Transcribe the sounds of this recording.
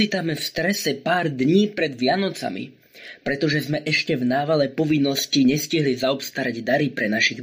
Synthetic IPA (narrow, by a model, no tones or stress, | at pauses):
iːt̪amɛfst̪ɾɛsɛpaːɾd̪ɲiːpɾɛd̪ʋɪanɔt͡sa̰mḭ | pɾɛt̪ɔʒɛzmɛʔɛʃcɛvnaːʋalɛpɔʋinːɔsciɲɛsciɦlizaɔpst̪aɾaɟd̪aɾipɾɛnaʃiɣ